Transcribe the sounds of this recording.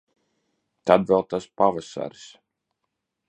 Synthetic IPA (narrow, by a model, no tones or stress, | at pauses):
t̪ad̪vɛlˠt̪aspavasa̰ɾs